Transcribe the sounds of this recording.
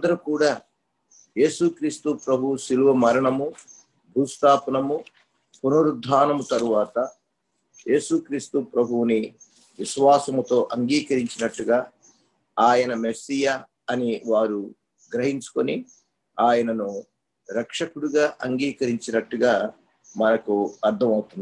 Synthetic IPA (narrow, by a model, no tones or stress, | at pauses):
d̪ɐɾukuːɽaː | je̞ːsukɾiːst̪upɾɐbʱusiluʋɐmɐɾɐɳɐmu | d̪uːst̪aːpɐnɐmu | punuɾud̪ʱːaːnɐmut̪ɐɾuʋaːt̪ɐ | je̞ːsukɾiːst̪upɾɐbʱuwni | ʋiʃʋaːsɐmut̪o̞ːʔɐŋɡiːkɐɾiɲt͡ʃinɐʈːuɡaː | aːjɐnɐmesijɐ | ɐniʋaːɾu | ɡɾɐɦiɲt͡ʃu̥koni | aːjɐnɐnu | ɾɐkʂɐkuɽuɡaːʔɐŋɡiːkɐɾiɲt͡ʃinɐʈːuɡaː | mɐnɐkuɐɾt̪ʰɐmɐwut̪und̪i